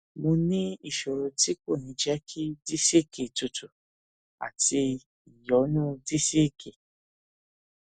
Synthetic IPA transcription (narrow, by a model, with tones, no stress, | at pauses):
mõ˧nĩ˦i˦˨ʃo˨ɾo˧ti˦ko˦˨nĩ˨˧˦d͡ʒɛ˦kʰi˦di˦si˦˨ke˨tu˨tʰu˨ | a̰˨ti˧ | i˨jɔ˨˦nũ˦di˦si˦˨ke˨